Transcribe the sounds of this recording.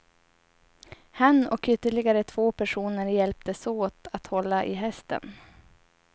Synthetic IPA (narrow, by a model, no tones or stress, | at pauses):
hanːɔkʏt̪ːəɭɪɡaɾət̪ʰv̥oːpʰæʂuːnəɾjɛlp̚t̪əsoːt̪at̪hɔlːaʔɪɦɛst̪ə̰n